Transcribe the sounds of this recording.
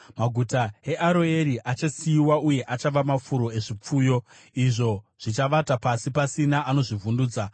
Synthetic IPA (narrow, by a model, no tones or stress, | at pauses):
maɡʱutae̞ʔaɾo̞e̞ɾiʔat͡ʃasiiwauje̞ʔat͡ʃaʋamafuɾo̞e̞ʐip͡fuːjo̞ | iʐo̞ | ʐ̥it͡ʃaʋatapasipasinaʔano̞ʐivunduːd͡za